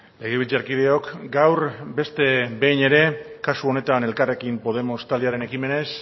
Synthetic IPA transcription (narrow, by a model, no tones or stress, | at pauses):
le̞ɣ̞eβilt͡seaɾkið̞e̞o̞kɡawɾbe̞st̪e̞be̞jne̞ɾe̞kasuo̞ne̞t̪ane̞lkare̞kimpo̞ð̞e̞mo̞st̪ald̪iaɾe̞ne̞kime̞ne̞s